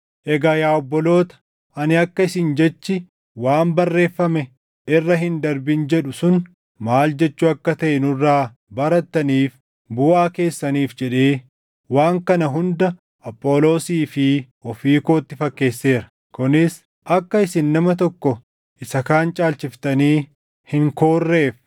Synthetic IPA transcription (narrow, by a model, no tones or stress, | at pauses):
ʔɛɡaːjaːɔbːɔlo̞ːt̪ɐ̥ | ɐnɪɐkːɐɪsɪnd͡ʒɛt͡ʃːɪ | waːmbɐrːe̞ːfːɐmɛ | ɪrːɐɦɪnd̪ɐɾbɪnd͡ʒɛᶑʊsʊn | maːld͡ʒɛt͡ʃːuɐkːɐt̪ɐʔɛnʊrːaː | bɐɾɐt̪ːɐniːf | bʊʔaːke̞ːsːɐniːfd͡ʒɛᶑe̞ː | waːŋkɐnɐɦʊnd̪ɐ | ʔɐpʼːo̞ːlo̞ːsiːfɪ | ɔfiːko̞ːt̪ːɪfɐkːe̞ːsːe̞ːɾɐ̥ | kʊnɪs | ʔɐkːɐɪsɪnːɐmɐt̪ɔkːɔ | ʔɪsɐkaːnt͡ʃʼaːlt͡ʃɪft̪ɐniː | hɪŋkoːrːe̞ːf